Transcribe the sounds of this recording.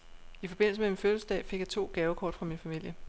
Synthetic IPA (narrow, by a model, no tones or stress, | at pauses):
ifɒ̽b̥e̝n̰l̩səmeminføːls̩sd̥ɛ̰̥ːfe̝ɡ̥jɑt͡sʰo̝̰ːɡ̥ɛːʊəkʰɒ̰ːd̥fʁɑ̈minfæmil̰jə